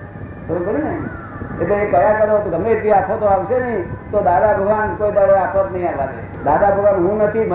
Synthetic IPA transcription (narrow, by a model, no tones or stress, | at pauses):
soɾũkoɽinəɦĩ | et̪eekəjakəɾot̪oɡʱəmet̪ʰiaːkʰot̪oaːʋsenəɦĩt̪od̪aːd̪abʱəɡʱʋankoːid̪aɾeaːkʰot̪nəɦĩalate | d̪aːd̪abʱəɡʋaːnɦũnət̪ʰimə